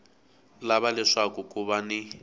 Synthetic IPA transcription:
laβalɛʂakukuβani

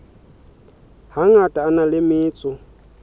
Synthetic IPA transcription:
haŋatʼaːnalɪmɪːt͡sʼʊ

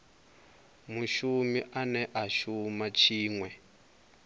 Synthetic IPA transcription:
muʃumiʔanɛʔaʃumat͡ʃʰiːŋwɛ

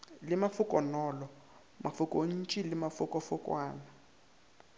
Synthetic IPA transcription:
lɪmafʊkʼɔnɔːlɔ | mʔafukʼon̩t͡ʃʼilɪmafʊkʼɔfʊkʼwaːna

